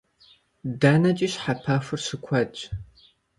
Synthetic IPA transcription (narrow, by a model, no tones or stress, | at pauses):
daːnɐt͡ʃʼiːɕħapʰafɨrɕɨkʷʰɐt͡ʃʼ